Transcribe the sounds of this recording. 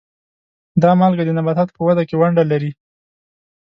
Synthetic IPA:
d̪ɑmɑlɡad̪ənabat̪at̪pəwad̪akewaɳɖalaɾi

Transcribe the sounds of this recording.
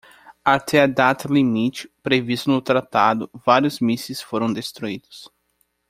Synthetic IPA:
aɾt̪ead̪at̪ɐlimit͡ʃɪ̥pɾevist̪ʊnʊt̪ɾat̪ad̪ʊvaɾjʊzmisɪsfoɾɐ̃w̃d̪est̪ɾuid̪ʊs

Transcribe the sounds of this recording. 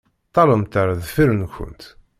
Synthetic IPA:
t̪ˤːɑləmt̪əɾðfiɾənçʊ̰nt̪

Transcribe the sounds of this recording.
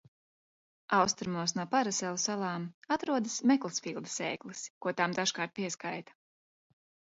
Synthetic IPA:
awst̪ɾumuɔsnuɔpaɾasɛlˠusalˠɑːmat̪ɾuɔd̪ɨsmɛklˠɨsfiːlˠd̪ɨ̥sɛːjklˠɨskuɔt̪amd̪aʃkaːɾt̪̚piɛskajt̪ḁ

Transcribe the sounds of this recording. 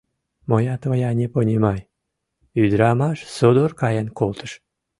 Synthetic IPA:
mojɑt̪vɑjɑnʲeponʲemɑj | yd̪ɾɑmɑʃsod̪orkɑjənkolt̪ə̥ʃ

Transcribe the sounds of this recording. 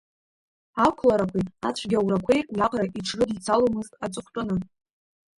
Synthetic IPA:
akʷʰlaɾakʷʰiat͡ɕʷʰɡʲawɾakʷʰejʔjaqʼraʔiʈ͡ʂʰrɨdt͡sʰalomɨztʼat͡sʷʼʊχʷt͡pʷʼʊnɨ

